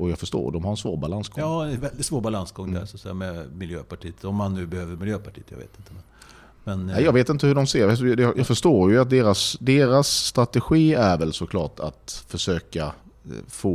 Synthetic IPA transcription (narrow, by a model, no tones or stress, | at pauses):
ɔjɑɡfœʂʈo̰ːdɔmhaɾɛnsvo̰ːɾbalansɡɔjɑːɛnvɛld̪ɪt̪svoːɾbalansɡɔŋd̪æsɔat̪sɛ̰jamɛmɪljøːpaʈʰiːət̪ɔmːanːʉ̟ːbɛhøːvəɾmɪljøːpʰaʈʰiːt̪jɑ̰ɡvḛːt̪ɪnt̪əmɛn | nɛnæjjɑːɡveːt̪ɪnt̪əhɵɖɔmseːɾvɛt̪d̪ɛjjɑːɡfœʂtoːɾjɵat̪̚d̪eːɾasd̪eːɾasːt̪ɾat̪ɛɧiːæɾvɛlsɔkʰlɑːʈʰa̰t̪fœʂøːkafoː